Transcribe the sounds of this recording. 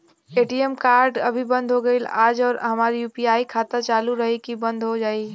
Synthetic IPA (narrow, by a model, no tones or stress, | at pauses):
eʈiemkaɾɖə̰bʱibə̃nd̪ʱɦoɡəɪla̰ːd͡ʒɔːɾɦəmaɾjupiaikʰat̪ət͡ʃaːluɾəɦikibə̃nd̪ʱɦod͡ʒaːi